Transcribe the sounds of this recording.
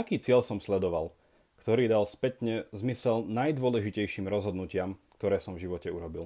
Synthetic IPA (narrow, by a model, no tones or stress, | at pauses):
akiːt͡sɪɛʎsɔmslɛd̪ɔʋal | kt̪ɔɾiːd̪alspɛt̪ɲɛzmisɛlnajd̪ʊɔlɛʒicɛjʃiːmɾɔzɦɔd̪nucɪamkt̪ɔɾɛːsɔmvʒiʋɔcɛuɾɔbilˠ